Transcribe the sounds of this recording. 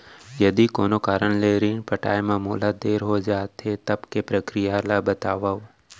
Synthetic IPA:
jɐd̪ikoːnokaːɾənleːɾiːnpɐʈa̰ːemãːmoːlad̪eːɾɦod͡ʒaːt̪ɦet̪ɐbkepɾəkɾijalabɐt̪aːʋaːo

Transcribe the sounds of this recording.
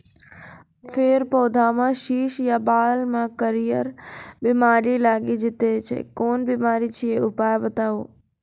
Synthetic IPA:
fʰeɾpɔːd̪ʱamãʃiʃjabaːlmãkəɾijəɾbɪmaɾilaɡid͡ʒɪt̪et͡ʃʰḛkoːnbɪmaɾit͡ʃʰieʊpajbət̪aʋo

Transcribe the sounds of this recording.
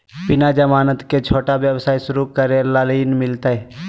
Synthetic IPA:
pɪnad͡ʒəmaːnət̪ket͡ʃʰoːʈabjəwsaːisʊɾukəɾelaːliːnmɪlt̪aɦɛ

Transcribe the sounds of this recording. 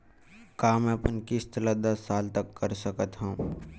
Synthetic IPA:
kaːmɛ̃pənkɪst̪ʰəlad̪ɐsːaːlt̪ɐkːɐɾsəkət̪ɦɛ̃

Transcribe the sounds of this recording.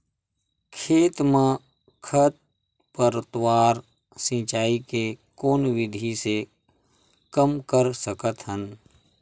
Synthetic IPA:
kʰeːt̪mã | kʰət̪̚ | pəɾt̪waːɾ | sĩːt͡ʃaːikekoːnwɪd̪ʱise | kəmkəɾsəkət̪ɦən

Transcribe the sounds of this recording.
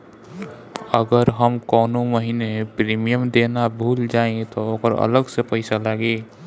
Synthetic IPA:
əɡəɾɦəmkɔːnoməɦinepɾiːmijəmd̪eːnabʱuːld͡ʒaːẽt̪ooːkəɾə̰ləɡsepəɪsalaɡeː

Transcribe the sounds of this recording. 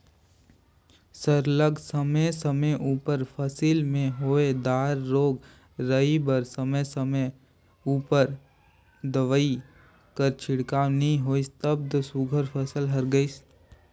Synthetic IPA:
səɾləɡsəməsəməjʔuːpəɾpʰəsiːlmẽɦoːed̪aːɾːoːɡ | ɾəibəɾsəməjsəmə | uːpəɾ | d̪əʋəi | kəɾt͡ʃʰɪɽkaːnɦĩɦoːist̪əb̚d̪osuɡʱəɾpʰəsəlɦɐɾɡəis

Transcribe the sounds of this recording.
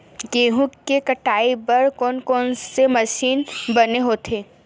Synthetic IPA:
ɡeːɦũkkːekɐʈaːibɐɾkɔːnkɔːnsemɐʃiːnbɐneɦoːt̪ʰeː

